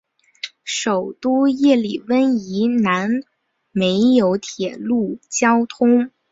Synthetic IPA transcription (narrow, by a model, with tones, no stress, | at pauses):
ʂo˨˩ʊt̪u˥jɛ˥˩li˨˩wə˥ni˧˥na˧˥n | me˧˥ɪjo˧˥ʊt̪ʰjɛ˨˩lu˥˩t͡ɕjɑ˥ʊt̪ʰʊ˥ŋ